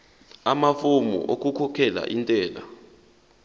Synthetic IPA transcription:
amafumṵʔok̬ʼukʰɔkʰɛla̰ʔintʼɛːla̰

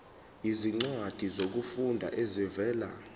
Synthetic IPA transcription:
iziŋ͡ǀwad̥ʱizok̬ufundʱa̰ʔezɛvɛːla̰

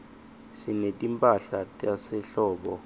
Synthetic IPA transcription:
sinetʼimpʼaɬatʼjasɛɬɔːɓɔ

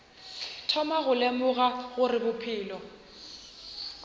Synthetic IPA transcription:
tʰɔmaɣʊlemʊɣaɣʊrɪbʊpʰɪːlɔ

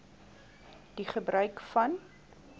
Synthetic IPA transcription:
d̥iχəbrœɥkfɐn

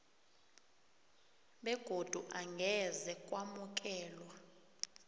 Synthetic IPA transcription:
ɓɛɡ̥ʱod̥ʱuʔaŋɡʱɛzɛkʼwamuk̬ʼɛːlwa

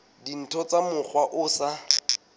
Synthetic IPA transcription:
din̩tʰɔt͡samʊk͡xwaʔʊsa

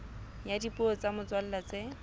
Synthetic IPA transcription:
jadipʼʊɔt͡samʊt͡swal̩lat͡se

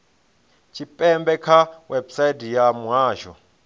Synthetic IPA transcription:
t͡ʃʰipʼɛmbɛkʰawʔɛbsajdijamuaːʒɔ

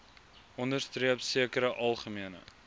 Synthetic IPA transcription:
ʔɔndərstriəpsiəkəɾəʔɐlˠχəmiənə̰

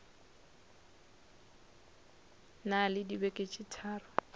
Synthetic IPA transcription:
nalɪdibɛkʼet͡ʃʼitʰaːrʊ

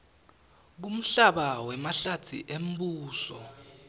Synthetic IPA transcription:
k̬um̩ɬaɓawɛmaɬatʰḭʔem̩buːsɔ̰

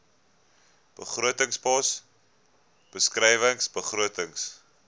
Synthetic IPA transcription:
b̥əχruətəŋspɔs | b̥əskrɛjvəŋsbəχruətəŋs

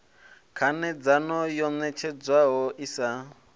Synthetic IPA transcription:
kʰanɛd͡zanɔjɔnɛt͡ʃʰɛd͡zwaɦɔʔisa

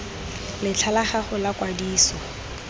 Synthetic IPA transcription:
lɪt͡ɬʰalaχaχʊlakʼwadiːsɔ

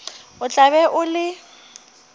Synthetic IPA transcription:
ʊt͡ɬʼaβɛʔʊlɪ

